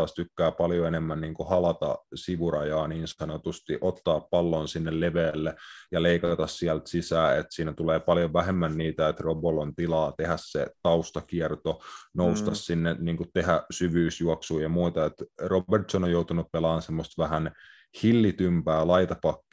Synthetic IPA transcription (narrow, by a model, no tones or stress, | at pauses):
ɑːst̪ykːæːpɑljoenemːænniːŋkuhɑlɑt̪ɑ̰siʋuɾɑjɑːniːnsɑnot̪ust̪iʔot̪ːɑːppɑlːonsinːelleʋeːlːejɑleikɑt̪ɑssiælt̪sisæːet̪siːnæt̪uleːpɑljoʋæɦemːænniːt̪æet̪robolont̪ilɑːt̪ehæsset̪ɑust̪ɑkiɛrt̪onoust̪ɑssinːeniːŋkut̪t̪eɦæsyʋyːsjuɑksuːjɑmuit̪ɑet̪robert̪sonojout̪unuppelɑːnsemːost̪ʋæɦæn | hilːit̪ympæːlɑit̪ɑpɑkːi